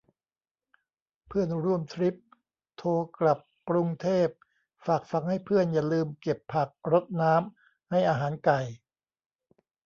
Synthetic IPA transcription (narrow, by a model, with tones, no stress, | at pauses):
pʰɯ˥˩ənɾu˥˩əmt̪ʰɾi˦˥p̚ | t̪ʰoː˧kla˨˩p̚ːkɾu˧ŋt̪ʰeː˥˩p̚ | faː˨˩k̚fa˧ŋha˥˩jpʰɯ˥˩ənja˨˩lɯː˧mke˨˩pʰːa˨˩k̚ɾo˦˥t̪̚naː˦˥m | ha˥˩jʔaː˧ɦaː˩˦nka˨˩j